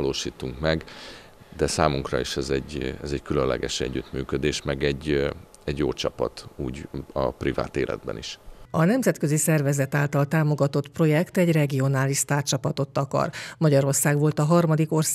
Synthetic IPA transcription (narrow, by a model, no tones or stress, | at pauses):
loːʃiːt̪uŋkmɛɡ | d̪ɛsaːmuŋkrɒ̰iʃɛzɛɟɛzɛckylønlɛ̰ɡɛʃɛɟːyt̪myːkød̪eːʃmɛɡɛɟː | ɛɟjoːt͡ʃɒpɒt̪uːɟɒpriva̰ːt̪eːlʔɛ̰d̪̚bɛ̰nḭʃɒnɛmzɛt̪kø̞zisɛrvɛzɛt̪aːlt̪ɒlt̪aːmo̞ɡɒt̪o̞t̪pro̞jɛkt̪ɛɟrɛɡio̞naːliʃst̪aːrt͡ʃɒpɒt̪o̞t̪ːɒkɒ̰rmɒɟɒɾo̞rsaːɡʋo̞lt̪ɒɦɒrmɒd̪iko̞rs